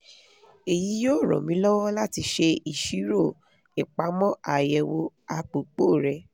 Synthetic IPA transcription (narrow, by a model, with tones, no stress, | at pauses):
e˨ji˨˦joː˦˨ɾ̃ɔ̰̃˨mĩ˨˦lɔ˦wɔ˦la˦ti˧ʃe˧i˨ʃi˨˦ɾo˦˨ | ɛ˨k͡pa˨˦mɔ̃˦a˨jɛ˧wo˧a˧k͡pu˨k͡po˦˨ɾɛ˧